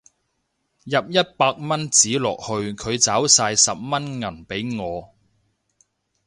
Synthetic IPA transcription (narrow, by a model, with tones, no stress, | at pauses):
jɐ˨p̚jɐ˥t̚paː˧k̚mɐ˥nt͡siː˨˥lɔ̰ː˨k̚hɵ˧ɥkʰɵ˨˧ɥt͡saː˨˥wsaː˧jsɐ˨p̚mɐ˥nŋɐ˨˩npe˨˥jŋɔː˨˧